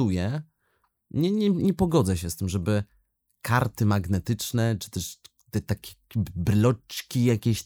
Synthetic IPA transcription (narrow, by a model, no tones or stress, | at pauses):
ujɛ | ɲɛɲɛɲɛpɔɡɔd̪zɛɕɛst̪ɘmʐɛbɘ | kʰaɾt̪ɘmaɡnɛt̪ɘt͡ʂnɛt͡ʂɨ̥t̪ɛʂ | t̪ɛt̪akʲi̥bɾɘlɔt͡ʂkʲijakʲeɕ